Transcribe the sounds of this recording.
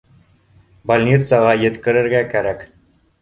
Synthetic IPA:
balʲnʲit̪sɑʁɑjɘ̆t̪kɘ̆ɾɘ̆ɾɡækæɾæk

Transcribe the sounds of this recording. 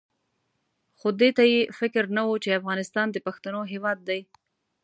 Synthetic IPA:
xod̪et̪ajefɪkɾnawut͡ʃeafɣɑnɪst̪ɑnd̪əpaxt̪anoɦewɑd̪̚ːaj

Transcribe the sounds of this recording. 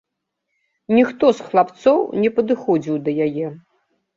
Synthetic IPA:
nʲixt̪ɔsxlˠapt̪sɔwnʲɛpɐd̪ɨxɔd͡zʲiwd̪ɐjajɛ

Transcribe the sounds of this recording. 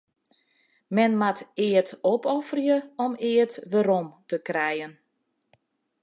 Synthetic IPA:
mɛnmatɪətɔpɔfərjəɔmɪətʋaɾɔmtəkrɛjən

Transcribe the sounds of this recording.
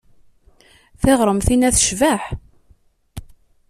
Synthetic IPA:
θeʁɾˤəmθinæθʃvaħ

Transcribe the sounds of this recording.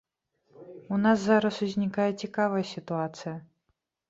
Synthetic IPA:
unaszaɾɐsuzʲnʲikajɛt͡sʲikavɐjɐsʲit̪uat̪sɨjɐ

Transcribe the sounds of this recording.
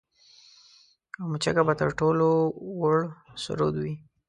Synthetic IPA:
amʊt͡ʃakabat̪əɾʈolowʊɽsʊ̰ɾo̰d̪wi

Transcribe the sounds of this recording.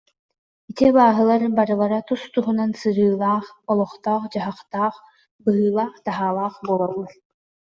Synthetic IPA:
it̪ibaːɦɯlˠaɾbaɾɯlˠaɾat̪ust̪uɦunansɯɾɯːlˠaːχɔlˠɔχt̪aːχd͡ʑaɦaχt̪aːχ | bɯɦɯːlˠaːχt̪aɦaːlˠaːχbuɔlˠɔlˠːaɾ

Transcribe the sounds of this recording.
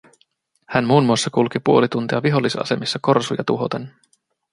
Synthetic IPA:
hænmuːnmuosːɑkulkipuo̞lit̪unt̪iɑʋiɦo̞lːisɑ̰se̞misːɑko̞rsujɑt̪uɦo̞t̪en

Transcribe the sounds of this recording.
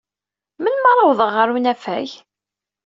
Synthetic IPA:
mənmɑɾˤɑwðˤəʁːəɾunæfæj

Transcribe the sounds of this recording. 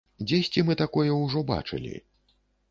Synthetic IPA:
d͡zʲesʲt͡sʲimɨt̪akɔjɛwʐɔba̰t͡ʂɨ̰lʲḭ

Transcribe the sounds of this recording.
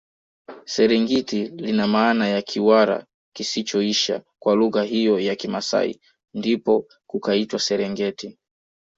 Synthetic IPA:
sɛɾɛŋɡitilinamaːnajakʰiwaɾa̰ | kisit͡ʃɔiʃa̰kwaluɣaɦijɔjakimasa̰ḭ | ndipɔ | kukaitwasɛɾɛŋɡɛti

